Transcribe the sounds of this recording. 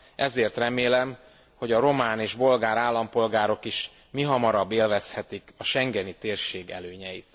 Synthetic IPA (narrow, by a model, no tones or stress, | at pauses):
ʔɛzeːrt̪rɛmeːlɛm | ho̞ɟɒɾo̞maːneːʒbo̞lɡaːɾaːlːɒmpo̞lɡaːɾo̞kiʃ | miɦɒmɒɾɒbːeːlvɛshɛt̪ikɒʃɛŋɡɛnit̪eːrʃeːɡɛ̰løːɲɛjit̪